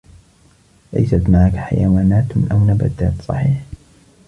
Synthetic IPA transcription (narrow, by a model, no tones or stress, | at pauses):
la̰jsat̪maʕakħa̰jawaːnaːt̪ʔawnaba̰d̪aːt̪sˤɑ̰ħiːħ